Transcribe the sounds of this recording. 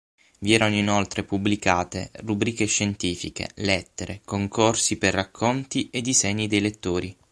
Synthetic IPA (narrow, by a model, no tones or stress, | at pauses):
viɛːɾanoinolt̪ɾepubːlikaːt̪ḛrubɾiːkeʃːent̪iːfḭkḛlɛt̪ːeɾḛkoŋkorsiperːakʰːont̪ied̪izɛɲːid̪ejlet̪ːoːɾi